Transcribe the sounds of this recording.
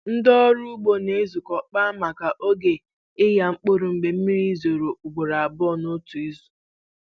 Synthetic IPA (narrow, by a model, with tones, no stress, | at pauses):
n̩˦dɔ˦ɾu˦ɡ͡bo˦ne˦zu˨kɔ˨k͡pa˦ma˨ka˨ʔo˦ɡe˨ | ɪ˦ja˨ŋ͡m̩˦k͡po˦ɾu˨ŋ͡m̩˨ɡ͡be˨m̩˦mi˦ɾi˦zo˨ɾo˨ʊ˨ɡ͡bo˨ɾa˨a˨bɔ˦˨no˦tu˨i˦zu̥˨